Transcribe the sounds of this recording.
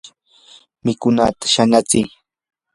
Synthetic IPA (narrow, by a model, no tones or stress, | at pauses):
mɪkʊnat̪ḁʃanat͡sɪj